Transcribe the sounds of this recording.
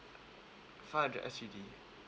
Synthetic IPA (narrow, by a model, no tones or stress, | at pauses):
fad͡ʒɛ̰sidi